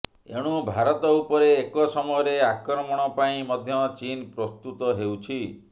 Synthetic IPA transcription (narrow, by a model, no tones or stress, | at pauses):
ḛɽ̃ubʱaɾɔt̪ɔupɔɾeːkɔsɔmɔjɔɾeakɾɔmɔɽ̃ɔpaĩmɔd̪ʱjɔt͡ʃinpɾɔst̪ut̪ɔɦewt͡ʃʰi